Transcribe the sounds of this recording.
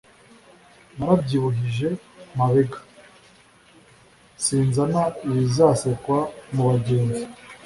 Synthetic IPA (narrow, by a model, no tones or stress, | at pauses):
naɾabɟiːβuɦiʒe̞maβeɡḁ | siːnzanaiβizasekwamuβaɟe̞ːnzi